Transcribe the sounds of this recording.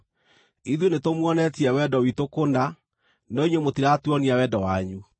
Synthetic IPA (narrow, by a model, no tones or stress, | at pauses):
iðjonetomwɔnɛtiɛwɛdɔwitokonda | nɔiɲwemotiɾatuɔniawɛdɔwaɲu